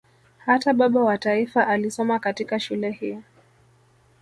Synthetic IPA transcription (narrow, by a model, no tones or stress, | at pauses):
hataɓaɓawataifaʔalisɔmakatikaʃulɛhiɔ